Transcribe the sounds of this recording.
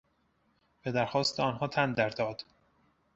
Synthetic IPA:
b̥e̞d̪æɾxɒːst̪eɒːnɦɒːt̪ʰænd̪æɾd̪ɒːd̪̥

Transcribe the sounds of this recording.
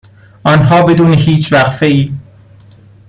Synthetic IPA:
ʔɒːnɦɒːbe̞d̪uːneɦiːt͡ʃʰvæɣfeiː

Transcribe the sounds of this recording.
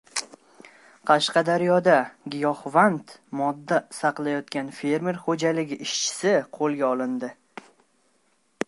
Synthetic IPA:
qʰɑʃqɑd̪aɾjɒd̪aɡʲɪjɒχvant̪mɒd̪ːasɑqlˠajɒt̪kʲanfe̞ɾme̞ɾχod͡ʒalɪɡʲɪʔɪʃt͡ʃʰɪ̥sɪqʰolˠɡʲaɒlˠɪnd̪ɪ

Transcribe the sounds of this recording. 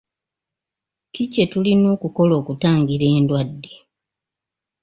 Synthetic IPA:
kice̞tulinoːkuko̞lo̞ːkutaːŋɡiɾe̞ːndwadːe̞

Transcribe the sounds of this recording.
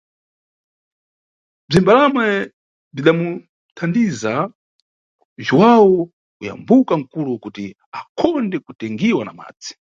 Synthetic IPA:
b͡ʐimbalamwɛ | b͡ʐiɗamu | tʰandiza | ʒwawɔ | uja̰mbukaŋ̩kulukuti | akʰɔndɛkutɛŋɡiwana̰ma̰ːd͡zi̥

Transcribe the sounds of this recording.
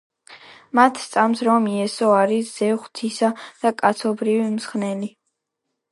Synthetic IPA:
mat̪ʰst̪sʼamsɾɔmiɛsɔaɾisz̥ɛʁχt̪ʰisad̪̥akʼat̪sʰɔbɾivimsχnɛli

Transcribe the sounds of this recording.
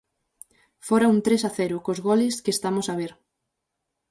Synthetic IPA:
foɾaunt̪ɾesaθɛɾʊkozɣoleskest̪amosaβ̞eɾ

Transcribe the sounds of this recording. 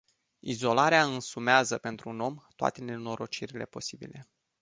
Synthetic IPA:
izo̞laɾeaɨnsumeazəpe̞nt̪ɾuuno̞mt̪oa̰t̪e̞ne̞no̞ɾo̞t͡ʃiɾile̞̰po̞sibile̞

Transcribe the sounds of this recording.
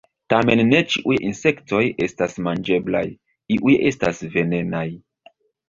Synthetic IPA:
tame̞nːe̞t͡ʃiʔujinse̞kto̞je̞stasmand͡ʒe̞bla̰j | iʔuje̞stasve̞ne̞naj

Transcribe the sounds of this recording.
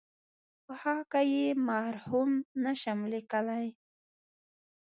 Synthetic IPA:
pəhɑkajemahɾhumnaʃamlikalaj

